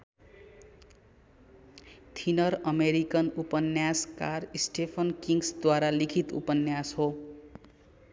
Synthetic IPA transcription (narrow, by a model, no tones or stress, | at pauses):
t̪ʰinʌɾʌmeɾikʌnupʌnjaskarisʈepʰʌnkiŋsd̪waɾalikʰit̪ṵpʌnjashɦo